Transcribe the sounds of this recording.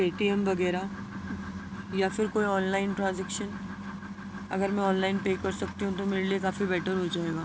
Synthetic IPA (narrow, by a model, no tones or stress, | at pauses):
eːʈiɛmʋɐɡɛːɾa | jafɪɾkoːiɔːnlaːɪnʈɾãːnzɛːkʃən | ɐ̰ɡəɾmɛ̃ɔːnlaːɪnpeːkɐɾsɐk̚t̪iɦũt̪omeːɾeliekaːfibɛːʈʰəɾɦod͡ʒaːeːɡaː